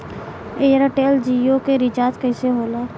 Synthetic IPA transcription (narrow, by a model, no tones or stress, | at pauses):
eːɾaʈeːld͡ʒiːokeɾɪt͡ʃaːd͡ʒkəɪseɦoːlaː